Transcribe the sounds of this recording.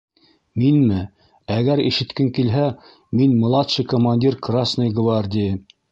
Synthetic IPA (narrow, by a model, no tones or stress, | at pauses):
minmɘ | æɣæɾḭʃɘ̆t̪kɘŋkilɦæ | minmŏlˠɑt̪ʃɨkomanʲdʲirkrasnɤjɡvard̪ʲɪj